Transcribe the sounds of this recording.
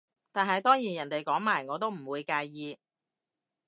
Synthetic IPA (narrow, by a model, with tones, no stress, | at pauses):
t̪aː˨nɦɐ˨jt̪ɔː˥ŋjiː˨˩jɐ˨˩nt̪e˨jkɔː˨˥ŋmaː˨˩jŋɔː˨˧t̪o˥wm̩˨˩wuː˨˧jkaː˧jːiː˨˧